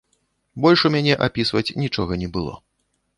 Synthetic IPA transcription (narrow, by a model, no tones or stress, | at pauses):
bɔlʲʂumʲanʲɛʔapʲisvɐt͡sʲnʲit͡ʂɔɣɐnʲɛbɨlˠɔ̰